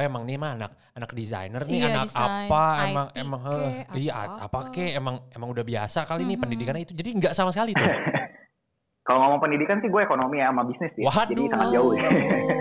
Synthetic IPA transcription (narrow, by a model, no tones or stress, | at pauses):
emaŋnimaːnak̚ | anak̚diza̰jnərnɪannakapaemaŋemaŋəija̰a̰pakɛemaŋemaŋudahbia̰sakalinipəndidikanait̪ud͡ʒadiŋɡaʔsamas̬əkali | kaloŋamaŋpəndidikansɪhɡuaekonomiamabisnɪsdɪwaɦad͡ʒadisaŋat̪̚d͡ʒaʊh